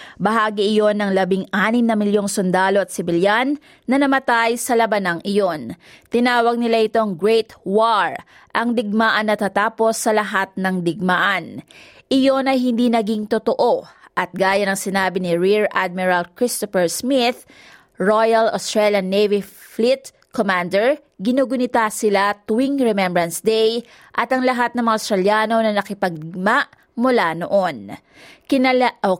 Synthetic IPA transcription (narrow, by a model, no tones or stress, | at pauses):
bɐɦaːɡɪʔɪjo̞nɐŋlɐbɪŋʔaːnɪmnɐmɪljo̞ŋsʊnd̪aːlo̞ɐt̪̚sɪbɪljanː | ɐnɐmɐt̪ajsɐlɐbɐnɐŋʔɪjo̞nt̪ɪnaːwɐɡ̚nɪlaʔɪt̪o̞ɐŋɡɹɛjt̪waɹ | ʔɐŋd̪ɪɡ̚maːʔɐnːɐt̪at̪aːpo̞sːɐlɐɦat̪̚nɐŋd̪ɪɡ̚maʔɐn | ʔɪjo̞nɐjɦɪnd̪inɐɡiŋt̪ot̪oʔo̞ʔɐt̪̚ɡaːjɐnɐŋsɪnaːbɪnɪɹiɹʔa̰d̪̚mɪɹalkɹɪst̪ofɛɹsmɪθ | ɹojɐlost̪ɹɛljɐnːejviflɪt̪ | komand̪ɛɹ | ɡɪnoɡʊnɪt̪asɪlat̪ʊwiŋɹɛmɛmbɹɐnsd̪ɛj | ʔɐt̪ɐŋlɐɦat̪̚nɐŋmɐŋaɐʊst̪ɾɐljaːno̞nɐnɐkɪpɐɡ̚ɡ̚maʔ | mʊlanoʔo̞n | kɪn